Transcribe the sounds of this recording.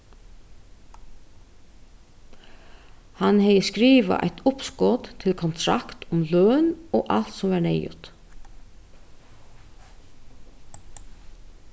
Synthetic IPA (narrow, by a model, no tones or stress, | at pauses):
hanhɛjəskɾiːʋa̰ʔa̰ɪt̪ʊpskɔːt̪t̪ʰɪlkʰɔnt̪ʰɾa̰kt̪ʊmløːnoːʔal̥t̪sɔmvɑɳɛjʊ̰t̪